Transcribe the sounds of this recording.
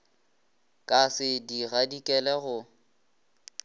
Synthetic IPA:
kʼasɪdiɣadikʼɛlɛɣʊ

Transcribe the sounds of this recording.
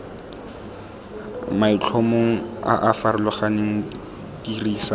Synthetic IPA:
mait͡ɬʰomoŋ̩a̰ʔafarɪlʊχaneŋ̩ | tiriːsa

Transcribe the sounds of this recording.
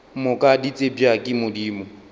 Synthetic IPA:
mʊkʼadit͡sʼebjakʼɪmʊdiːmʊ

